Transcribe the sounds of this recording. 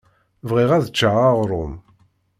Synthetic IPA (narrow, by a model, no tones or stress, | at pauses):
vʁiʁæðət͡ʃːaaʁɾˤʊn